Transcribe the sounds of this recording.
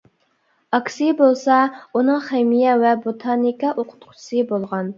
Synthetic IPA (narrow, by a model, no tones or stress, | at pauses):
ɑkʲsibolˠsɑunɨŋχemijɛwɛbot̪ʰɑnikɑʔoqʰʊ̥t̪qʰʊ̥sɨbolˠʁɑn